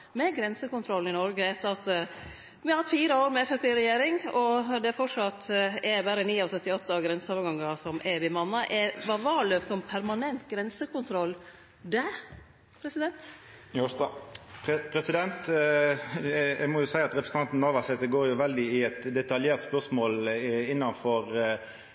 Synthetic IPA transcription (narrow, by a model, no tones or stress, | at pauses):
mɛɡɾɛnsəkʊnt̪ʰɾɔlnɪnɔɾɡəɛt̪ːəɾɑt̪ | ʋɪhɑhɑt̪fiːɾəoːɾmɛfœʈːɪɾɛjeːɾɪŋɔd̪ɛæfɔʂɑt̪ːɛbæːɾəniːɑsœt̪ːɪɔt̪ːəɑʋɡɾɛnsəoːʋɾɡɑŋːɑsɔmʔɛbɪmɑnːɑʔɛʋɑʋɑːɭøːft̪ɔmpʰæɾmɑnɛnt̪ɡɾɛnsəkʊnt̪ʰɾɔlː | d̪æ | pʰɾɛsɪd̪ɛnt̪ | pʰɾɛsɪd̪ɛnt̪ | ɛmɔjʊsæɪɑt̪ɾɛpɾəsnɑnt̪n̩ːɑʋɑsɛt̪əɡoːɾjʊʋɛld̪ɪɪɛt̪d̪ɛt̪ɑljeːɾt̪spœʁsmoːlɪnːɑnfɔɾ